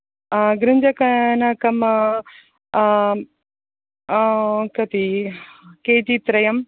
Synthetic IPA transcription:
ɡɾɪɲd͡ʒɐkɐnɐkɐm | kɐt̪i | keːtit̪ɾɐjɐm

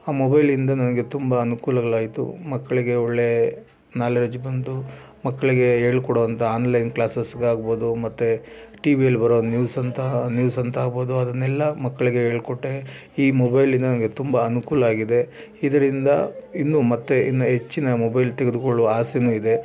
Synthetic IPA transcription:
aːmobɐjlind̪ɐnɐnɐɡe̞t̪umbɐːnukuːlɐɡɐɭaːjit̪ṵmɐkːɐɭiɡe̞oɭːe̞ | naːlɐɾɐd͡ʒibɐnt̪u | mɐkːɐɭiɡe̞ɦeːɭkɔɽoːʋɐnt̪ʰɐaːnlɐjnklaːsesɡaːɡboːd̪umɐt̪ːeʈiːbijɐlːibɐɾoːnjuːsɐnt̪ʰɐnjuːsɐnt̪ʰaːɡboːd̪uɐd̪ɐnːɛlːɐmɐkːɐɭiɡe̞ɦe̞ːɭkɔʈːe | iːmobɐjlind̪ɐnɐnɐɡe̞t̪umbɐɐnukuːlɐaːɡid̪e̞ | id̪ɐɾind̪ɐinːumɐt̪ːeḭnːuɦe̞t͡ʃːinɐmɔbɐjlt̪eɡed̪ukoɭːuʋɐaːsenuːid̪e̞

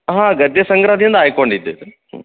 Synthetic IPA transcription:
ɦãːɡɐd̪esɐ̃ŋɡɾad̪ʱĩːənd̪aːekoəɳɖit̪ɪ

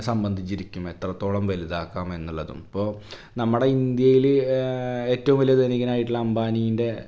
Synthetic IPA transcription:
sɐmbɐnd̪ʱit͡ɕːiɾikʲːume̞t̪rɐt̪ːoːɭɐmʋɐliðaːkːaːme̞nːuɭːɐðṵmɐpːo̞ː | nɐmːuɽe̞ind̪jɐjil | e̞ːtːɐʋumʋɐlijɐt̪enik̬ʲːɐnaːjiʈːiɭːɐːmbaːnijinde̞

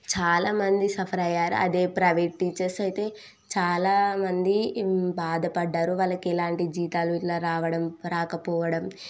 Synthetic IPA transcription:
t͡ʃaːlaːmɐnd̪isɐpʰɐɾɐjːaːɾṵʔɐ̰d̪e̞ːpɾɐʋeʈʈːiːt͡ʃɐɾsɐjt̪e̞ː | t͡ʃaːlaːmɐnd̪ibaːd̪ɐpɐɖːaːɾuʋɐlɐkɛlaːɳʈid͡ʒiːt̪aːluiʈlaːɾaːʋɐɽɐmɾaːkɐpɔːʋɐɽɐm

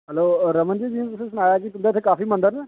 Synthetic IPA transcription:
ɦɛloːɾəmənd͡ʒid͡ʒiːẽt̪ʊsesʊñaːjaːkit̪ʊnd̪aːɪt̪ʰːekaːfiːmə̃nd̪əɾnɛː

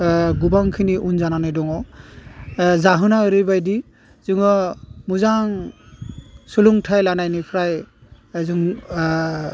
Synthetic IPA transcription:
ɡubaŋkʰiniʔunzananɯjdɔŋɔ | zaɦɯnaɯɾɯbajdi | zɯŋɔmuzaŋ | suluŋtʰajlanajnipʰɾaj | zɯŋ

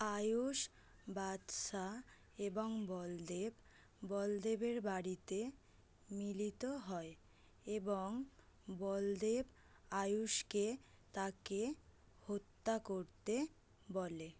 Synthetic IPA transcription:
ajuʃ | bad̪ʃa | eboŋbɔld̪eb | bɔld̪ebeɾbaɽit̪e | milit̪oɦɔe | eboŋ | bɔld̪eb | ajuʃke | t̪ake | hot̪ːakoɾt̪e | bole

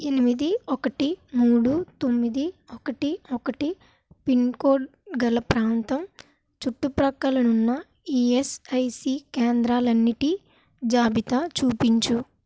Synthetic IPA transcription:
enimid̪iɔkɐʈimuːɽut̪o̞mːid̪iɔkɐʈiɔkɐʈi | pinkoːɖ̚ɡɐlɐpɾaːnt̪ɐm | t͡ʃuʈːupɾɐkːɐlɐnunːɐ | iːesɐjsikeːnd̪ɾaːlɐnːiʈi | d͡ʒaːbʱit̪at͡ʃuːpiɲt͡ʃu

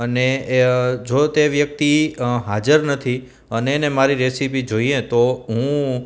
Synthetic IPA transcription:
əne | d͡ʒot̪eʋjək̚t̪iɦad͡ʒəɾnət̪ʰi | əneːnemaɾiɾesipid͡ʒoiet̪oɦũ

